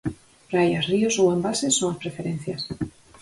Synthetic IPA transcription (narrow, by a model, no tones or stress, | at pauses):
rajasriosowambalsesːoŋɐspɾefeɾẽn̟θjɐs